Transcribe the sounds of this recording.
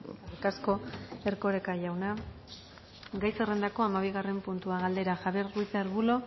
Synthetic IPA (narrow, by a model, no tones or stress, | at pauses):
ɾkasko̞e̞ɾko̞ɾe̞kaʝawna | ɡajsere̞nd̪ako̞amaβiɣ̞are̞mpunt̪uaɣald̪e̞ɾaxaβerrujt͡seaɾβulo̞